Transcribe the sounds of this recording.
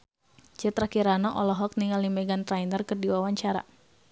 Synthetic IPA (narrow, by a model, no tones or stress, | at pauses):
t͡ʃət̪ɾakiɾanaʔɔlɔɦɔk̚niŋalimɛɡant̪ɾajnərkərdiwawaɲt͡ʃaɾa̰